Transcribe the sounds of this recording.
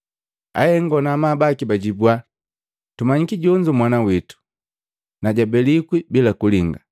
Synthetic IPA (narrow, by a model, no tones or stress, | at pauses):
a̰hɛŋɡɔnamabakibaɟibwa | tumaɲikiɟɔɲd͡ʒumwanawitu̥ | naɟabɛlikwibilakuliŋɡa